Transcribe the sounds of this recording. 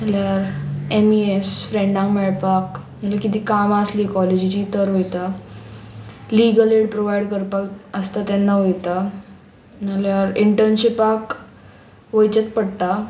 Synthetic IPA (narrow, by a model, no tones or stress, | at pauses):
əljaɾemiesfɾẽɳɖãŋkmɛɭpak | əlakit̪̬iːkamaslikɔled͡ʑit͡ɕit̪əɾʋojt̪a | liɡəleɽpɾoʋajɽkəɾpakəst̪at̪ɛnːaʋəjt̪a | əljaɾiɳʈəɾnɕipak | ʋəjt͡ɕət̪pəɽʈa